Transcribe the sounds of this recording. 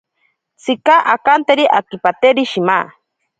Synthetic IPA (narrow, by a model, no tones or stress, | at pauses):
t͡sʰikaʔakant̪eɾiʔakipat̪eɾiʃima̰